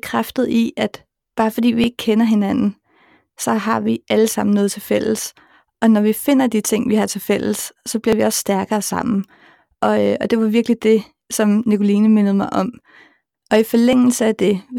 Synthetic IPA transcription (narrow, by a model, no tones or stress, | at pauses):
kʰʁafd̥ð̞̩ˠiʔæd̥ | b̥ɑ̈ːfɒ̽d̥ḭːʋie̝ɡ̥əkʰenɐɦe̝nænn̩ | sɒ̽ɦɑ̈ʋiʔæləsɑ̈m̰n̩nɔ̽ːðˠt͡sʰe̝lfel̰s | ɒ̽nɒʋife̝n̰ɐd̥it͡sʰe̝ŋ̰ʋihɑ̈t͡sʰe̝lfel̰əsːɒ̽b̥liɐʋiɒ̽sːd̥æɐɡ̥ɐːsɑ̈m̰n̩ | ʔɒ̽ɒ̽d̥e̝ʋɑ̈ʋiɐɡ̥lid̥e̝ | sɒ̽mnikʰo̝liːnəme̝nð̞̩ˠmɑ̈ɪʔɒ̽m | ɒ̽ifɒ̽leŋ̰l̩səæd̥e̝